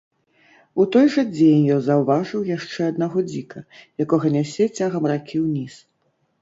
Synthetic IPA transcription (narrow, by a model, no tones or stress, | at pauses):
ut̪ɔjʐɐd͡zʲenʲjɔnzɐwvaʐɨwjaʂt͡ʂɛɐd̪naɣɔd͡zʲikɐjakɔɣɐnʲasʲɛt͡sʲaɣɐmrakʲʰiwnʲis